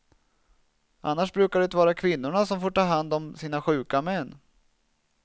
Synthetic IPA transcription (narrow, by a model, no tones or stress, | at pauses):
ʔanːaʂbɾʉ̟ːkaɖɛnt̪vɑːɾakʰvɪnːʊɳasɔmfoːʈɑːɦand̪ɔmsiːnaɧʉ̟ːkamɛnː